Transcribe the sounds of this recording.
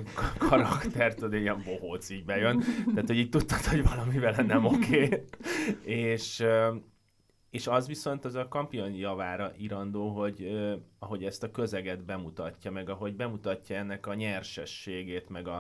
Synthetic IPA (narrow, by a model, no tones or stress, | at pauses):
kʰɒɾɒkt̪ɛrt̪od̪eiɛɱbo̞ɦoːt̪siːɟbɛjønt̪aːt̪ho̞ɟiːc̚t̪ut̪ːɒ̥t̪ho̞ɟvɒlɒmivɛlɛnɛmo̞kʰeː | eːʃø | eːʃɒzʋiso̞n̪t̪ɒzɒkɒmpio̞njɒvaːɾɒʔiɾɒnd̪oːɦo̞ɟøɒɦo̞ɟɛst̪ɒkø̞zɛɡɛd̪bɛmut̪ɒcːɒmɛɡɒɦo̞ɟbɛmut̪ɒcːɒɛnːɛkɒɲɛrʃɛʃːeːɡeːt̪mɛɡɒ